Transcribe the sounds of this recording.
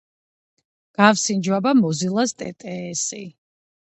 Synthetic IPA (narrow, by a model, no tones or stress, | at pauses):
ɡ̥afsind͡ʒwabamɔzilˠast̪ʼɛ̰t̪ʼɛːsi